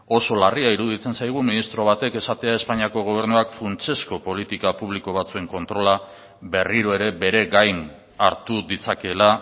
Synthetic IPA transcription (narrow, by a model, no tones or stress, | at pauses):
o̞so̞lariaiɾuð̞it͡se̞nsajɣ̞uminist̪ɾo̞βat̪e̞ke̞sat̪e̞ae̞spaɲiako̞ɣ̞o̞β̞e̞ɾnuakfunt͡ʃe̞sko̞po̞lit̪ikapuβliko̞β̞at͡sue̞ŋko̞nt̪ɾo̞la | be̞riɾo̞e̞ɾe̞be̞ɾe̞ɡajn | aɾt̪ud̪it͡sake̞la